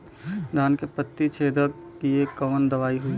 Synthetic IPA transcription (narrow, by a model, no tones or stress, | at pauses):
d̪ʱaːnkepət̪ːit͡ʃʰeːd̪əkkiekəʋənd̪əʋaːiɦui